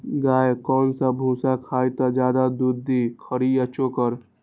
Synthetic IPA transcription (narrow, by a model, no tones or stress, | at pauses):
ɡaːjkɔːnsə̃bʱũsakʰaːjt̪əd͡ʒjaːd̪ad̪uɾd̪ikʰəɾijat͡ʃokəɾ